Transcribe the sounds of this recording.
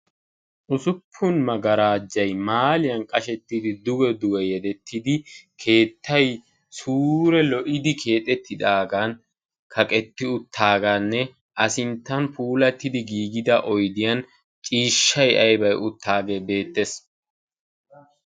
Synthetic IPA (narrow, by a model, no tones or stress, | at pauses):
ʔʊsʊpʰːʊnmɐɡɐɾaːd͡ʒːɐjmaːlɪjɐnkʼɐʃɛt̪ːɪd̪ɪd̪ʊɡɛd̪ʊɡɛjɛd̪ɛt̪ʰːɪd̪ɪkʰe̞ːt̪ːɐj | suːɾɛlɔʔɪd̪ɪkʰe̞ːt̪ʼɛt̪ːɪd̪aːɡɐn | kʰɐkʼɛt̪ːɪʊt̪ʰːaːɡɐnːɛ | ʔɐsɪnt̪ːɐnpuːlɐt̪ːɪd̪ɪɡiːɡɪd̪ɐʔɔjd̪ɪjɐn | t͡ʃʼiːʃːɐjʔɐjbɐjʊt̪ʰːaːɡebe̞ːt̪ːes